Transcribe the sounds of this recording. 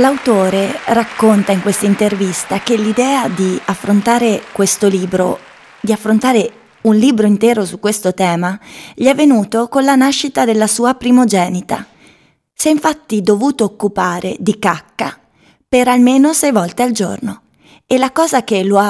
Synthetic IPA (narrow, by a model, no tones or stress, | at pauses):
lawt̪oːɾerakːont̪aiŋkwest̪aint̪ervist̪akelːid̪ɛːad̪iafːɾont̪aːɾekwest̪oliːbɾo̰ | d̪iafːɾont̪aːɾe | unliːbɾoint̪ɛːɾosukːwest̪ot̪ɛːmaʎiɛvːenuːt̪okonlanaʃːit̪ad̪elːasuːapɾimod͡ʒɛːnit̪a̰ | sɛiɱfat̪ːid̪ovuːt̪oːkːupaːɾḛd̪ikakːa̰ | peɾalmeːnosɛjvɔlt̪eald͡ʒo̰rno | elakɔːzakeloa